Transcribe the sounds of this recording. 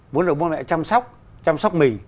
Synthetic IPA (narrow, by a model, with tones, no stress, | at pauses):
mu˨˦ənɗ̚ɓwnmɛ̰˧˨t͡ɕa˧msɔ˦˥wk͡p̚ | t͡ɕa˧msɔ˦˥k͡p̚mï˨˩ŋ̟